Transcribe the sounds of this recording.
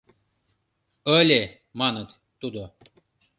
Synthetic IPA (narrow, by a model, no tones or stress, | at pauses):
əlʲe | mɑnət̪ːud̪o